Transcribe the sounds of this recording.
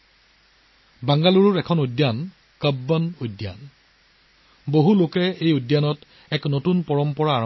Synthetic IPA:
baŋɡaluɹʊɹɛkʰɔnojdjan | kəbːənojdja̰n | boɦulokɛejodjanɔt | ɛknotunpɔɹɔmpɔɹaː

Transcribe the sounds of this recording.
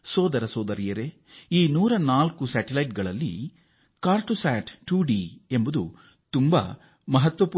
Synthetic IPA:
sɔːd̪ɐɾɐsɔːd̪ɐɾijɐɾe | iːnuːɾɐnaːlkusaːʈelɐjʈ̚ɡɐɭɐlːḭ | kaːɾʈusaːʈʈuːɖie̞mbud̪ṵ | t̪umbɐ̰ | mɐɦɐt̪ʋɐpu

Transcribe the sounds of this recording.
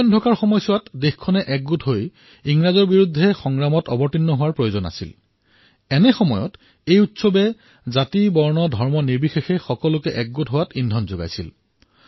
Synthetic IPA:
ɔndʰʱɔkaɹxɔmɔjsʊwatdexkʰɔnɛʔɛɡ̚ɡutɦoj | iŋɹazɔɹbiɹudʱːɛxɔŋɹamɔtɔbɔɹtinːɔɦʊwaɹpɹojozɔna̰sil | ɛnɛxɔmɔjɔ̰t | ejutsɔbɛ | zatibɔɹnɔdʱɔɹmɔniɹbixexɛxɔkɔlʊkɛʔɛk̚ɡutɦʊwatindʱɔnzoɡa̰jsil

